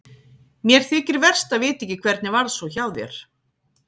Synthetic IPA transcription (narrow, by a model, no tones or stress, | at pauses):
mjɛɾ̥θɪcɪɾvɛr̥st̪aðvɪːt̪ɪɛcːɪkʰv̥ɛɾt̪nɪvaɾsɔwçawðjɛ̰ɾ̥